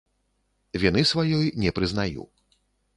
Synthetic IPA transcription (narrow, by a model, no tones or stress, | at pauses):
vʲinɨsvajɔjnʲɛpɾɨznajṵ